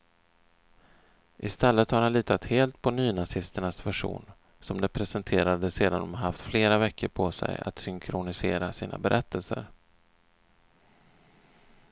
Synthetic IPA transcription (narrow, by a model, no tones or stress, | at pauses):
ʔɪst̪ɛlːət̪haɾhanliːt̪ʰat̪heːlt̪pʰɔnyːnasɪst̪əɳasvæʂṵːn | sɔmd̪ɛpʰɾɛsɛnt̪ʰeːɾad̪əseːd̪and̪ɔmɦaft̪fleːɾavɛkːəɾpʰɔsɛ̰ja̰t̪sʏŋkʰɾʊnɪseːɾasiːnʔa̰bɛɾʔɛt̪ʰːəlsə̰ɾ